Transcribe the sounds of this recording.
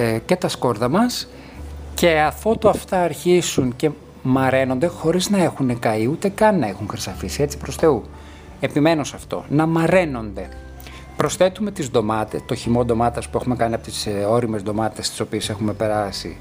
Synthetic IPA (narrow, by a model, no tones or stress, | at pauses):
ce̞t̪ɐsko̞ɾðɐmɐs | ce̞ɐfo̞t̪oɐft̪ɐːɾçisuŋce̞ | mɐɾe̞no̞nd̪e̞xo̞ɾiznɐe̞xune̞kɐiut̪e̞kɐnːɐe̞xuŋxɾisɐfisie̞t͡si̥pɾo̞sθe̞u | e̞pime̞nosɐft̪o̞̰nɐmɐɾe̞no̞nd̪e̞ | pɾo̞sθe̞t̪ume̞t̪izðo̞mɐt̪e̞st̪o̞çimo̞d̪o̞mɐt̪ɐspue̞xume̞kɐniɐpo̞t̪i̥so̞ɾimezðo̞mɐt̪est̪i̥so̞pie̞se̞xume̞pe̞ɾɐsḭ